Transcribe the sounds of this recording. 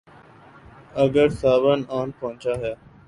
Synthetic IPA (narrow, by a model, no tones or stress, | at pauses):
əɡəɾsaːʋənaːnpəɦʊ̃t͡ʃaːɦɪjaː